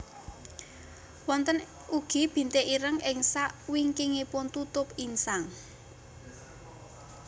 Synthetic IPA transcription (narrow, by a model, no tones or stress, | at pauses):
wɔnt̪ən | uɡ̥i̤b̥i̤nt̪eʔiɾəŋʔɪŋsaʔwiŋkiŋipʊnt̪ut̪ʊpinsaŋ